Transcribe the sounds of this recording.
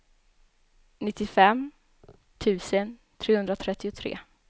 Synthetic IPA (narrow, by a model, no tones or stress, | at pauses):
nɪt̪ːɪfɛm | t̪ʰʉ̟ːsənt̪ʰɾeːhɵnd̪ɾat̪ʰɾɛt̪ːɪʊt̪ʰɾḛː